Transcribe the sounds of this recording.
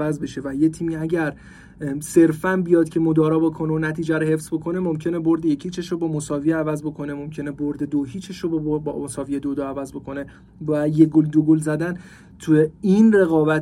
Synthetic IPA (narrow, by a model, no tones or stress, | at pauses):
æzbe̞ʃe̞væjet̪ʰiːmiːæɟæɾ | se̞ɾfænbijɒːd̪̥̚cʰe̞mod̪ɒːɾɒːbekʰoneonæt̪ʰiːd͡ʒæɾohe̞fz̥bo̞kʰo̞ne̞momcʰe̞ne̞bo̞ɾd̪ejecʰit͡ʃʰeʃobɒːmosɒːvijeævæzbo̞kʰo̞nemomcʰe̞neboɾd̪e̞d̪oɦiːt͡ʃʰeʃobbosɒːvijed̪od̪oævæzbo̞kʰo̞ne̞ | væjeɡold̪oɡolzæd̪æn | t̪ʰujeinre̞ɣɒːbæt̪